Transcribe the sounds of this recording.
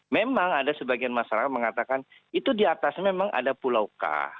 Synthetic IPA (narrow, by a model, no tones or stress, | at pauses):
memaŋadasəbaɡianmasaɾakat̪̚məŋat̪akan | it̪udiat̪asmemaŋʔa̰dapulauka̰